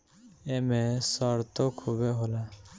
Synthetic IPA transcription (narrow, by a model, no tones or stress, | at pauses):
emesəɾt̪okʰuːbeɦoːlaː